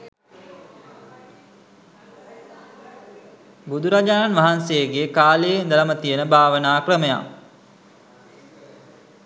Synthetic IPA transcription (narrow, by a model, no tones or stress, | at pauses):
bud̪ʱuɾad͡ʒaːnanʋaɦansejəɡeːkaːlejnd̪əlamət̪ijənəbʱaːʋənaːkrəməja̰